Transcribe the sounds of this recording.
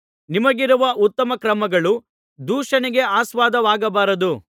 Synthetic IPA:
nimɐɡiɾuʋɐʔut̪ːɐmɐkɾɐmɐɡɐɭu | d̪uːʂɐniɡe̞aːsʋaːd̪ɐʋaːɡɐbaːɾɐd̪u

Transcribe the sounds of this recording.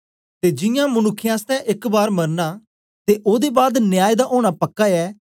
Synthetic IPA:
t̪eːd͡ʒɪjãːmənʊkʰːɪjãːst̪ɛ̃ʔɪkbaːɾmɐɾnaː | t̪eːʔoːd̪ebaːd̪nɪjaːjd̪aʔoːɽ̃apəkːaɛː

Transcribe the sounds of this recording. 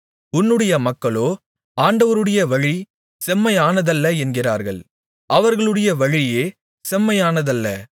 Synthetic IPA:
ʊnːɯɽɐjɐmɐkːɐɭoː | aːɳɖɐʋɐɾɯɽɐjɐʋɐɻi | sɛmːɐjaːnɐðɐlːɐɛnɡɪra̰ːɾɣɐ̰ɭ | ʔɐʋɐɾɣɐɭɯɽɐjɐʋɐɻɪjeː | sɛmːɐjaːnɐðɐlːɐ̰

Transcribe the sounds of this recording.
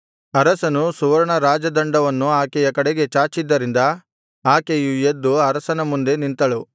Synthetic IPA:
ɐɾɐsɐnusuʋɐɾɐɳɐɾaːd͡ʒɐd̪ɐɳɖɐʋɐnːuaːkɛjɐkɐɽeɡe̞t͡ʃaːt͡ʃid̪ːɐɾind̪ɐ | aːkejujed̪ːuɐɾɐsɐnɐmund̪e̞nint̪ɐɭu

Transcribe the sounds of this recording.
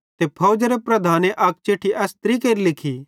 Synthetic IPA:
t̪epʰɐʊd͡ʒɐɾepɾɐd̪ʱaːneʔɐk̚t͡ʃeːʈʰiʔɛːst̪ɾikeːɾilɪkʰi

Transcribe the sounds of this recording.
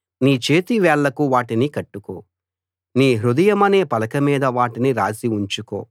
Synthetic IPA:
niːt͡ʃe̞ːt̪iʋɛːɭːɐkuʋaːʈinikɐʈːuko̰ː | niːɦɾud̪ɐjɐmɐne̞ːpɐlɐkɐmiːd̪ɐʋaːʈiniɾaːsiuɲt͡ʃuko̰ː

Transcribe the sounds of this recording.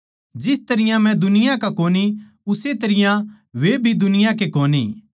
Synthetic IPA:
d͡ʒɪst̪ɐɾɪjãmɛ̃d̪ʊnɪjãkakoːni | ʊset̪ɐɾɪjã | ʋebʱid̪ʊnɪjãk̬ekoːnḭː

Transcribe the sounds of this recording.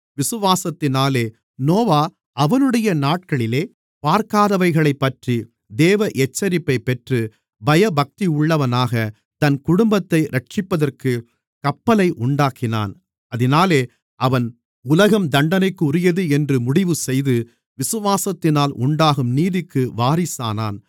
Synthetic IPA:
ʋɪsɯʋaːsɐt̪ːɪnaːleː | noːʋaː | ʔɐʋɐnɯɽɐjɐnaːʈ̚kɐɭɪleː | paːɾkaːðɐʋɐɪɣɐɭɐɪpːɐʈri | d̪eːʋɐʔɛt͡ʃːɐɾɪpːɐɪpːɛʈrɯ | bɐjɐbɐk̚t̪iʊɭːɐʋɐnaːɣɐ | t̪ɐnkʊɽʊmbɐt̪ːɐɪɾɐʈ̚t͡ʃɪpːɐðɐrkɯ | kɐpːɐlɐɪʔʊɳɖaːkɪna̰ːn | ɐðɪnaːleː | ʔɐʋɐn | ʊlɐɣɐmd̪ɐɳɖɐnɐɪkːʊɾɪjɐðɯɛndrɯmʊɽɪʋɯsɛjðɯ | ʋɪsɯʋaːsɐt̪ːɪnaːlʔʊɳɖaːɣɯmniːðɪkːɯʋaːɾɪsa̰ːna̰ːn

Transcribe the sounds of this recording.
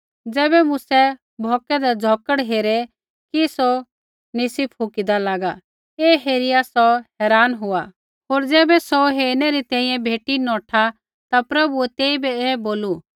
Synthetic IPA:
d͡zɛːbɛmʊsɛ | bʱɔːkɛd̪ɛd͡zʱɔkəɽɦeːɾɛ | kiso | nɪsipʰɦʊkid̪alaːɡa | eːɦeːɾɪjasɔɦɛːɾaːnɦʊa | ɦoːɾd͡zɛːbɛsɔɦeːɾnɛɾit̪ɛ̃ːĩjɛ̃bʱeːʈinɔːʈʰa | t̪apɾɐbuɛt̪eːibɛɛːboːlu

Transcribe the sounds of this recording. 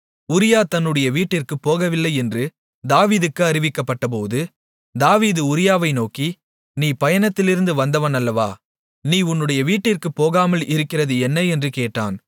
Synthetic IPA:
ʊɾɪjaːt̪ɐnːɯɽɐjɐʋiːʈːɪrkɯpːoːɣɐʋɪlːɐɪɛndrɯ | d̪aːʋiːðɯkːɯɐɾɪʋɪkːɐpːɐʈːɐp̬oːðɯ | d̪aːʋiːðɯʊɾɪjaːʋɐɪnoːki | niːpɐjɐnɐt̪ːɪlɪɾɯnd̪ɯʋɐnd̪ɐʋɐnɐlːɐʋa̰ː | niːʊnːɯɽɐjɐʋiːʈːɪrkɯpːoːɣaːmɐlʔɪɾɯkːɪrɐðɯɛnːɐɛndrɯkeːʈːa̰ːn

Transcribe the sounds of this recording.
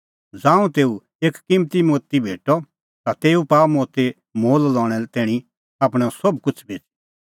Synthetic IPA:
d͡zãːũt̪eːu | eːkkɪ̃mt̪imoːt̪ibʱeːʈɔ | t̪at̪eːupaːmoːt̪e | moːllɔ̃ːɽ̃ɛlɛt̪ɛːɽ̃i | aːp̬ɽ̃ɛsɔbkʊt͡ʃʰbʱeːt͡ʃ

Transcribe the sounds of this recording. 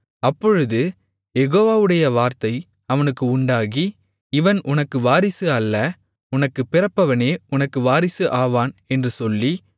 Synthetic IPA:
ɐpːɔɻɯðɯ | jɛɣoːʋaːʋɯɽɐjɐʋaːɾt̪ɐɪ | ɐʋɐnɯkːɯʊɳɖaːɣi | ɪʋɐnʔʊnɐkːɯʋaːɾɪsɯɐlːɐ | ʊnɐkːɯpɪɾɐpːɐʋɐneːʊnɐkːɯʋaːɾɪsɯʔaːʋaːnɛndrɯsɔlːi

